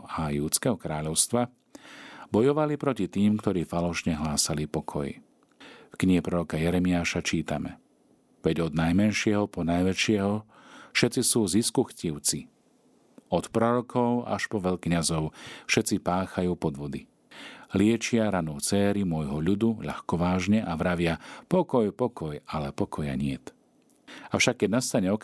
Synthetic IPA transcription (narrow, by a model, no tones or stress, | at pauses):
ajuːt͡skɛɦɔkɾaːʎɔʊst̪ʋa | bɔjɔʋalipɾɔcit̪iːmkt̪ɔɾiːfalɔʃɲɛɦlaːsalipɔkʰɔ̰j | fkɲiɦɛpɾɔɾɔkajɛɾɛmiaːʃat͡ʃiːt̪a̰mɛ̰ | ʋɛɟɔd̪najmɛnʃɪɛɦɔpɔnajʋɛt͡ʃɪɛɦɔ | fʃɛt͡sisuːziskuxciʊt͡si | ɔt̪pɾɔɾɔkʰɔʊa̰ʃpɔʋɛʎkɲazɔʊfʃɛt͡sipaːxajuːpɔd̪ʋɔd̪i | lɪɛt͡ʃɪaɾanɔːt͡sɛːɾimʊɔjɦɔʎud̪uʎa̰xkɔʋaːʒɲɛʔaʋɾaʋɪapɔkɔjpɔkɔjalɛpɔkʰɔja̰ɲɪɛt̪ | aʊʃakːɛɟnast̪aɲɛɔk